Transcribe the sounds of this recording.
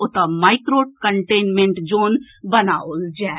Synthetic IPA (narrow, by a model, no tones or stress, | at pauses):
ʊt̪amaːɪkɾoːʈ̚kəɳʈeːnmẽɳʈd͡ʒoːn | bɐnaold͡ʒaː